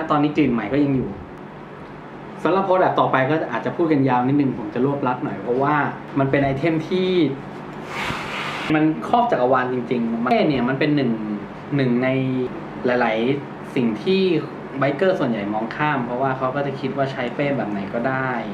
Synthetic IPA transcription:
lɛ˦˥t̪ɔː˧nːiː˦˥kliː˨˩nma˨˩˦jkɔː˥˩ja˧ŋjuː˨˩ | sa˨˩˦mla˨˩p̚ʰːbɛː˨˩p̚t̪ɔː˨˩pa˧jkɔː˥˩˨ʔaː˨˩t̪̚t͡ɕa˨˩pʰuː˥˩t̪̚ka˧njaː˧wni˦˥t̪̚nɯ˨˩ŋpʰo˩˦mt͡ɕa˨˩lu˥˩əp̚la˦˥p̚nɔ˨˩jpʰɾɔ˦˥waː˥˩ | ma˧npe˧nʔa˧jt̪ʰe˥˩mt̪ʰiː˥˩ | ma˧nkʰɔː˥˩p̚t͡ɕaː˨˩k̚ʔa˧waː˧nt͡ɕi˧ŋt͡ɕi˧ŋma˧˥˨nni˥˩ɐma˧npe˧nːɯ˨˩ŋ | nɯ˨˩ŋna˧j | la˨˩˦jla˩˦j | si˨˩ŋt̪ʰiː˥˩ | wa˦˥jkɤː˥˩su˨˩ənja˨˩jmɔː˧˥ŋkʰaː˥˩mpʰɾɔ˦˥waː˥˩kʰa˦˥wkɔː˥˩t͡ɕa˨˩kʰi˦˥waː˥˩t͡ɕʰa˦˥jpeː˥˩nbɛː˨˩p̚na˨˩˦jkɔː˥˩daː˥˩j

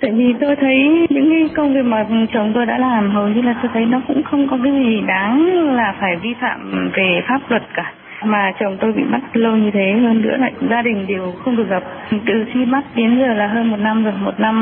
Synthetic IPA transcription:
t̪a̰ː˧˨jvi˨˩t̪o˧jt̪ʰə˨˦jɲɨ̰˧˥ŋkaː˨˦jkə˧wŋ͡mvi˨˩ək̚maː˨˩t͡ɕə˨˩wŋ͡mt̪o˧jɗa̰ː˧˥laː˨˩mɦə˨˩wɲɨ˧laː˨˩t̪o˧jt̪ʰə˨˦jnɔ˨˦kʊ̰˧˥ŋ͡mxə˧wŋ͡mkɔ˨˦k̬aː˨˦jzi˨˩ɗaː˨˦ŋlaː˨˩faː˧˩jvi˧fa̰ː˧˨mve˨˩faː˦˥p̚lwə˨˩t̚kaː˧˩ | maː˨˩t͡ɕə˨˩wŋ͡mt̪o˧jɓḭ˧˨ɓa˦˥t̚lə˧wɲɨ˧t̪ʰe˨˦ɦəː˧nːɨ̰˧˥əna̰˧˨jzaː˧ɗï˨˩ŋ̟ɗe˨˩wxə˧wŋ͡mɗɨ˨˩k̚ɣə˨˩p̚t̪ɨ̰˧˨t͡ɕi˧ma˦˥t̚ɗi˨˦ənzəː˨˩laː˨˩ɦəː˧nmo˨˩t̚na˧mzɨ˨˩ək̚mo˨˩t̚na˧m

